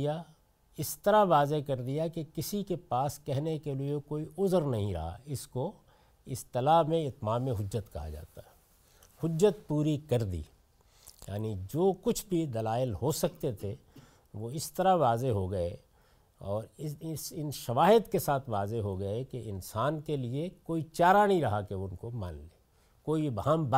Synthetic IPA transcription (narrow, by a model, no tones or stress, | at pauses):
ja | ɪst̪ɐɾaʋaːzekɐɾd̪ijakekɪsikepaːskɛɦnekeliekoːiʊzɾnɐɦĩɾɐ̰ɦa̰ɪsko | ɪst̪ɐlamẽɪt̪maːmẽɦʊd͡ʒːət̪kɐɦa̰d͡ʒa̰ːt̪aɦɛ | hʊd͡ʒːət̪̚puːɾikɐɾd̪ḭː | ja̰ːnid͡ʒoːkʊt͡ʃʰbʱid̪ɐlaːɪlɦosɐkt̪et̪ʰe | ʋoɪst̪ɐɾaʋaːzeɦoɡɐe | ɔːɾɪsɪnʃɐʋaːɦɪd̪kesaːt̪ʰʋaːzeɦoɡɐkeʔɪnsaːnkeliekoːit͡ʃaːɾanɐɦĩɾɐɦakeʊnkomã̰ːnleː | koːibɦãːmb